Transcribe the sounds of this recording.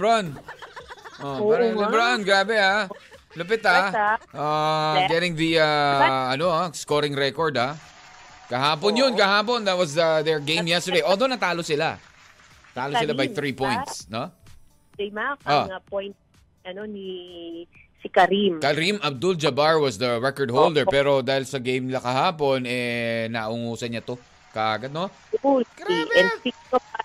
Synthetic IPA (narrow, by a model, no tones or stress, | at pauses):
bɹan | ʔobɾɐʔanɡɾaːbɛa | lʊpɛt̪aʔaɡɛɾɪ̃ŋðiaʔɐnoaskoɾɪŋɾɛkoɹd̪a | kɐɦaːponjonkɐɦaːpond̪ɐt̪̚wɐsɐðɛɹɡẽj̃mjɛst̪ə˞d̪ejʔoːd̪onɐt̪aːlosɪla̰ | t̪aːlosɪlabɐjθɾipɔ̃j̃nt̪sno | d͡ʒɐjmakʔoŋapojnt̪̚ | ɐnoni | sikɐɾimkɐɾimʔɐb̚d̪ʊld͡ʒɐbaɹwɐsd̪ɐɹɛkɔɹd̪̚howlˠd̪ɛɹpɛːɾo̞d̪aːhɪlsɐɡejmnɪlɐkɐɦaːpo̞nɛnaʔʊŋuːsɐɲɐt̪o̞ | kɐʔaːɡad̪̚no | iʔɛnd̪pi | o